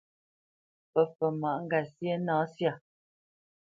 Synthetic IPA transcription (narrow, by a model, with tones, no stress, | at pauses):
pə˨fə˨ma˨ʔŋ̩˦ɡa˨sje˦nãː˨˦sja˦˨